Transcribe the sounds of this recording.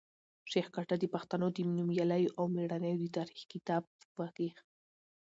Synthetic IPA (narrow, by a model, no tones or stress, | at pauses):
ʃeχkaʈad̪ipaχt̪anot̪imnumjalajoʔawmiɾanajwd̪it̪aɾɪχkit̪ap̚wakiχ